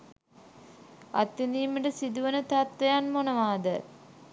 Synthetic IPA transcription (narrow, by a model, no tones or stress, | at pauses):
a̰t̪ːiniːməʈəsid̪uʋənət̪at̪ʋejanmonəʋaːd̪ə